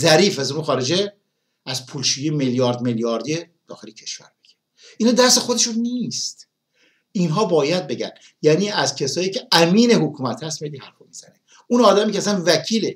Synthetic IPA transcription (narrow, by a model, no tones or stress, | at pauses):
zæɾiːfæzomexɒːɾed͡ʒe | æzpʰuːlʃuːjijmeljɒːɾd̪meljɒːɾd̪ie | d̪̥ɒ̰ːxelicʰe̞ʃvæ̰ɾmiɟ̥e̥ | iːnɑːd̪æɾse̞xo̞d̪e̞ʃunːist̪ | inɦɒːbɒːjæd̪̚be̞ɟæ̰n | jæːniːæzcʰesɒːjiːcʰeæmiːne̞hokʰuːmæt̪hæst̪melːihæɾfomiːz̥æne | unɒːd̪æmiːceæsænvæcʰiːle